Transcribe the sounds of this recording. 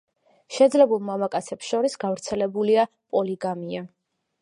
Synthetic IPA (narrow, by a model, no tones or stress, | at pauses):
ʃɛd̪zlɛbulˠmamakʼat̪sʰɛpsʃɔɾisɡavɾt̪sʰɛlɛbulia | pʼɔliɡamia